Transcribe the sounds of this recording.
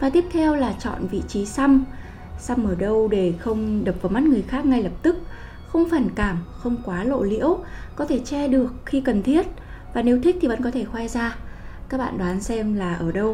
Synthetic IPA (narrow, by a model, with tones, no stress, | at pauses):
faː˨˩jt̪i˦˥əp̚t̪ʰɛ˧wlaː˨˩t͡ɕɔ̰˧˨nvḭ˧˨t͡ɕi˨˦sa˧m | sa˧mʔəː˧˩ɗə˧wɗe˧˩xə˧wŋ͡mɗəː˨˩p̚vaː˨˦wma˦˥t̚ŋɨ˨˩əjxaː˦˥k̚ŋa˧jlə˨˩p̚t̪ɨ˦˥k̚ | xə˧wŋ͡mfaː˨˩nkaː˧˩mxə˧wŋ͡mkwaː˨˦lo̰˧˨lḭ˧˥əwkɔ˨˦t̪ʰe˧˩t͡ɕɛ˧ɗɨ˨˩ək̚xi˧kə˨˩nt̪ʰi˦˥ət̚ | vaː˨˩ne˨˦wt̪ʰi˦˥k̚t̪i˨˩v̰ə̰˧˥nkɔ˨˦t̪ʰe˧˩xwaː˧jzaː˧kaː˦˥k̚ɓa̰ː˧˨nɗaː˨˦nsɛ˧mlaː˨˩ʔəː˧˩ɗə˧w